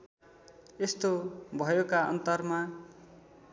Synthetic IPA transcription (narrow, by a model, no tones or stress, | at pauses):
est̪obʱʌjokaʌ̰nt̪ʌrma